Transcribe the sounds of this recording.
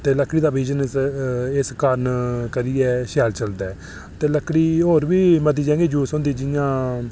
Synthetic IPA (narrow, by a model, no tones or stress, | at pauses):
t̪eːləkʰːɽiːd̪aːbiːd͡ʒən | ɪskəɾnkəɾiːɛːʃɛːlt͡ʃəld̪ɛː | t̪eːləkʰːɽiːɦoːɾʋiːməd̪iːd͡ʒɛ̃ːɡiːd͡ʒuːsõːnd̪iːd͡ʒɪjãː